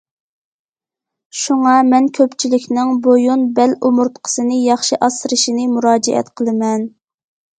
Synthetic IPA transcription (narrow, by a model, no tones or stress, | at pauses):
ʃuŋɑmɛnkʲʰøpt͡ʃʰilɪkʲnɪŋbojunbɛlumuɾt̪qʰə̥sɨnɨjɑχʃiʔɑsɨɾɨʃinɨmuɾɑːd͡ʒɛʔɛ̰t̪qʰəlˠɨmɛn